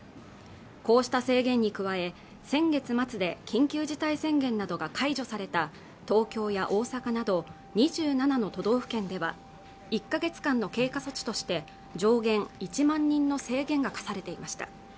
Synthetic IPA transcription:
ko̞ːɕi̥t̪ase̞ːɡẽ̞ɲ̟ːikɯ̟βae̞ | sẽ̞ŋɡe̞t͡sɨmat͡sɨd̪e̞kʲĩŋkʲɨːʑit̪aisẽ̞ŋɡẽ̞nːad̪o̞ɡakʰaiʑo̞saɾe̞t̪a | t̪o̞ːkʲo̞ːjaʔo̞ːsakanad̪o̞ | ɲ̟iʑɨːnanano̞t̪o̞d̪o̞ːɸɯ̟̥kẽ̞nd̪e̞βa̰ | ikːaɡe̞t͡sɨ̥kãnːo̞ke̞ːkaso̞t͡ɕi̥t̪o̞ɕi̥t̪e̞ | d͡ʑo̞ːɡẽ̞ŋit͡ɕimãɲ̟ːĩnːo̞se̞ːɡẽ̞ŋɡakḁsaɾe̞t̪e̞imaɕi̥t̪ḁ̰

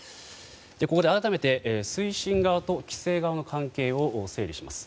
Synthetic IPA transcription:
d̪̥eko̞ko̞d̪e̞aɾat̪ame̞t̪e̞ʔsɨiɕĩŋɡaβat̪o̞kʲi̥se̞ːɡaβano̞kʰãŋke̞ːo̞ʔse̞ːɾʲiɕima̰sɨ̥

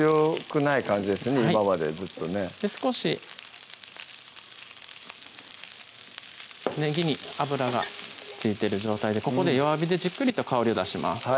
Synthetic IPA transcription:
okɯ̟naikãɲ̟d͡ʑid̪e̞sɨneiaimamad̪e̞̰zɨt̪ːo̞ne̞d̪̥esɨ̥ko̞ɕi | ne̞ɡʲiɲ̟iabɯ̟ɾaɡa̰t͡sɨit̪e̞ɾɯ̟ʑo̞ːt̪aid̪e̞ko̞ko̞d̪e̞joβabʲid̪e̞ʑikːɯ̟ɾʲit̪o̞kao̞ɾʲio̞d̪aɕima̰sɨ̥

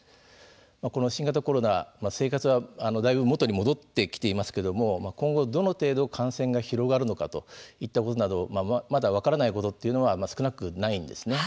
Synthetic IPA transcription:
mako̞no̞ɕĩŋɡat̪̬ako̞ɾo̞na̰mase̞ːkat͡sɨβaano̞d̪aibɯ̟mo̞t̪o̞ɲ̟imo̞d̪o̞t̪ːe̞kʲi̥t̪e̞imasɨ̥ke̞d̪o̞mo̞makõ̞ŋɡo̞d̪o̞no̞t̪e̞ːd̪o̞kʰãɰ̃sẽ̞ŋɡaçiɾo̞ɡaɾɯ̟no̞kat̪o̞it̪ːako̞t̪o̞nad̪o̞mamad̪aβ̞akaɾanaiko̞t̪o̞t̪ːe̞iɯ̟no̞βamasɨ̥kɯ̟nakɯ̟naĩnd̪e̞̰sɨne̞

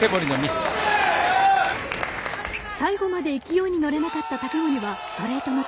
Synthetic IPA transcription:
ebo̞ɾʲinomʲisɨ̥ | saiɡo̞mad̪e̞ikʲijo̞ːɲ̟ino̞ɾe̞nakat̪ːat̪at̪e̞mo̞ɲ̟iβasɨ̥t̪o̞ɾe̞ːt̪o̞no

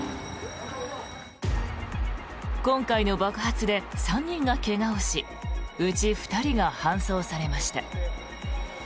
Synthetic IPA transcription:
kõ̞ŋkaino̞bakɯ̟̥ɦat͡sɨd̪e̞sãɲ̟ːĩŋɡake̞ɡaoɕi | ɯ̟t͡ɕiɸɯ̥t̪aɾʲiɡahãɰ̃so̞ːsaɾe̞maɕi̥t̪a̰

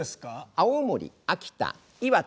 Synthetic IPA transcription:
eskaaomoɾʲḭ | akʲi̥t̪a̰ | iβa

